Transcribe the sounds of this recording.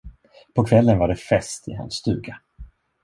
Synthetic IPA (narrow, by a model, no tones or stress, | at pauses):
pʰɔkʰvɛlːənvaɖɛfɛst̪ʰɪ̰ɦa̰nsːt̪ʉ̟ːɡa